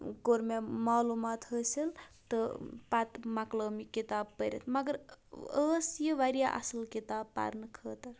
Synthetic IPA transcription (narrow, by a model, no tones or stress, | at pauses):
koɾmemaːluːmaːt̪ɦəːsilt̪ɨpat̪makləːmikit̪aːb̚pəɾḛt̪mɐɡəɾəːsjəʋaɾjaʔɐ̰səlkit̪aːb̚pa̰ɾnɨkʰəːt̪ɐɾ